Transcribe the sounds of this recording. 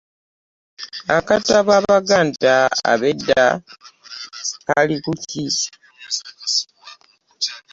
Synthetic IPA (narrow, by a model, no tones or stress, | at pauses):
akataβaβaɡaːntaa̰βedːa | kalikuci